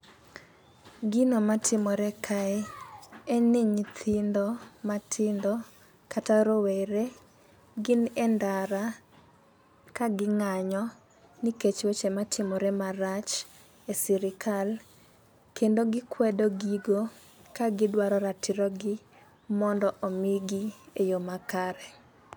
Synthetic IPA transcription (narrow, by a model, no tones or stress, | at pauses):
ɡɪnomatʰɪmɔɾɛkʰaɛ | enɪɲt̪ʰɪndɔmatʰɪndɔ | kataɾoweɾe | ɡɪnɛndaɾa | kaɡɪŋaɲɔ | niket͡ʃwot͡ʃematʰɪmɔɾemaɾat͡ʃ | esiɾɪkʰal | kendoɡɪkwɛdoɡiɡo | kaɡɪdwaɾɔɾatʰɪɾɔɡɪ | mɔndɔʔomiɡiejomakaɾɛ